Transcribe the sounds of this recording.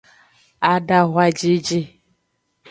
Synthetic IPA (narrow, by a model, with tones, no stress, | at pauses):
a˦da˦ɦʷa˦d͡ʒi˦d͡ʒi˦